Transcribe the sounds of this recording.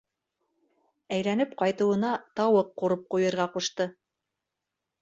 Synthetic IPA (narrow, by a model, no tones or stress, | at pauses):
æjlænɘp̚qɑjt̪ɤ̆wɤ̆nɑt̪ɑwɤqːuɾɤp̚qujɤ̆ɾʁɑquʃt̪ɤ